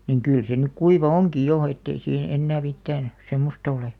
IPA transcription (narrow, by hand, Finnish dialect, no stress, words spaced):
niŋ kyˑl se nyk kuiʋɑ oŋki jo etːei siːhe enːæː mitːæːn semːostɑ ole